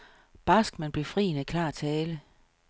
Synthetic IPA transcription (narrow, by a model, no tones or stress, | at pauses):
b̥ɑ̈sɡ̥mænb̥le̝fʁḭːnəkʰlɑ̰̈ːt͡sʰɛːlə